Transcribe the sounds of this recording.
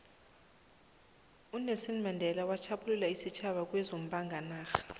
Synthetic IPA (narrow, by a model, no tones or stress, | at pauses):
unesinmandʱɛlawat͡ʃʰapʰululaisit͡ʃʰaɓak̬ʼwɛzom̩bʱʼaŋɡʱanaːxḁ